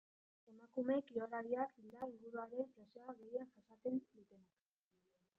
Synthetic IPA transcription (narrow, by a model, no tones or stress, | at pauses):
e̞makume̞kioɾaɾiakild̪aiŋɡuɾuaɾe̞ŋklasoaɣe̞jafasat̪end̪ut̪e̞nak